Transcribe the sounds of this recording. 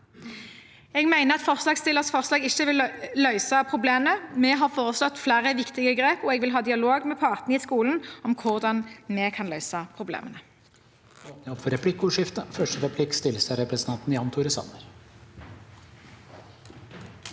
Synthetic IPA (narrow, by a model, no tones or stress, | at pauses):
ɛːɡmæɪnəʁɑt̪fɔʁslɑːɡst̪ɪlːəʁsfɔʁslɑːɡɪçːəʋɪllœʏsɑpʰʁʊbleːmənəmɛɦɑʁfoːʁəslɔt̪flæːʁəʋɪkt̪ɪɡəɡʁeːpɔɛɡʋɪlɦɑːd̪ɪɑloːɡmɛpʰɑʁt̪nəiːskuːln̩ɔmkʰʊʁd̪ɑnmɛkʰɑnlœʏsɑpʰʁʊblḛːmʔənə | onɪɔpfɔɾɛpʰlɪkːʊːʂɪft̪əfœʂʈəɾɛpʰlɪkːst̪ɪləsɑɾɛpɾəsnɑnt̪n̩jɑnt̪ʰʊɾəsɑ̰nəɾ